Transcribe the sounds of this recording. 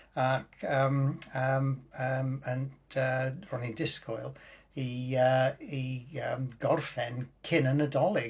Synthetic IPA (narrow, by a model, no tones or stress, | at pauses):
akʰəːməməməntʰərɔnindɪskɔɨlˠiəiəmɡɔrfɛnkʰɪnənədɔlˠɪ